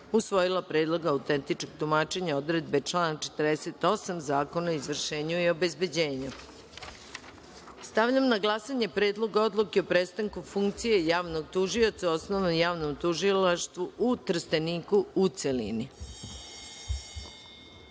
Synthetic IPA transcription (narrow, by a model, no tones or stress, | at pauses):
usʋo̞jilˠapɾe̞ːd̪lˠo̞ɡaːwt̪ent̪it͡ʃkoɡ̚t̪umaːt͡ʃe̞ɲao̞d̪ɾe̞d̪̚be̞t͡ʃlˠaːnat͡ʃe̥t̪rd̪eset̪o̞samzaːko̞naoizʋr̩ʃe̞ːɲuio̞be̞zbe̞d͡ʑe̞ːɲu | st̪aʋʎamnaɡlˠasaɲe̞pɾeːd̪lˠo̞ɡao̞d̪lˠukeo̞pɾeːst̪aŋkufuŋkt̪sije̞jaːʋno̞ɡ̚t̪uʒio̞t̪sao̞snoʋnomjaːʋno̞mt̪uʒilaʃt̪ʋuʔut̪r̩st̪eniːkuːt̪selḭni